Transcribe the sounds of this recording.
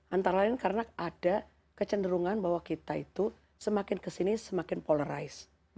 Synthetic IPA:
ʔant̪aɾalɪnkarnaada | kət͡ʃəndəɾuŋanbahwakit̪ait̪u | səmakɪnkəsinisəmakɪnpoləɾa̰ɪs

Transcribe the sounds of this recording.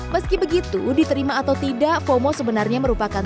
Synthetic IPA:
məskibəɡit̪udit̪əɾimaːt̪awt̪idaʔfomosəbənarɲaməɾupakan

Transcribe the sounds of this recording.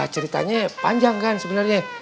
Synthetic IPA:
at͡ʃəɾit̪a̰ɲapa̰ɲd͡ʒaŋkansəbənarɲa

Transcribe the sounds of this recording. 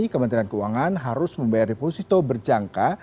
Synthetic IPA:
ikəmənt̪ɾiankəuwaŋanɦaɾʊsməmbajardiposit̪obərd͡ʒaŋka

